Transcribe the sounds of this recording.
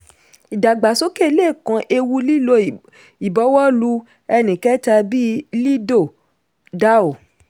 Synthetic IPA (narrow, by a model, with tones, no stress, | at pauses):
i˨da˨ɡ͡ba˨so˦ke˦˨˧le˦˨kã˧˦ʔe˧wu˧˦li˦lo˦˨ | i˨bɔ˨˦wɔ˦lu˧ | ɛ˧nĩ˨kɛ˦ta˧bi˦li˦do˦˨ | da˦o˨